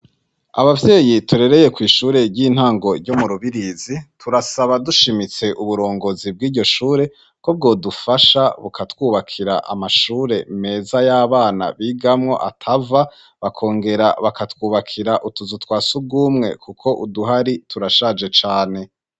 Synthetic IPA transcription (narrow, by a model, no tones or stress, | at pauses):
a̰βavje̞ːjituɾe̞ɾe̞je̞kwiːʃuːɾe̞ɟiːn̥haːŋɡo̞ɾɟomuɾuβiɾizitʰuɾasaβaduʃimit͡se̞ʔuβuɾo̞ːŋɡo̞zib̚ɡiːɾɟo̞ʃuːɾe̞ | kob̚ɡo̞ːdufaʃaβukʰatwuːβakʰiɾa̰ʔa̰maʃuːɾe̞me̞ːzajaːβaːna̰βiːɡamŋo̞̰ʔa̰tʰava | βakʰo̞ːŋɡe̞ɾa̰βakatwuːβakʰiɾaʔutuzutwaːsub̚ɡuːmŋe̞̰kukʰo̞ʔuduɦaɾitʰuɾaʃaːd͡ʒe̞t͡ʃaːne̞